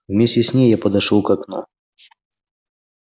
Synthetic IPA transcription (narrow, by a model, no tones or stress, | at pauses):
wmʲesʲtʲɛsʲnʲejjapɐd̪aʂɔwkakna̰